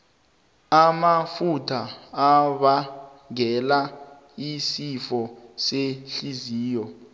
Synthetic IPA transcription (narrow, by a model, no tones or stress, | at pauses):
amafutʰaːɓa | ŋɛla | isifɔseɬiziːjɔ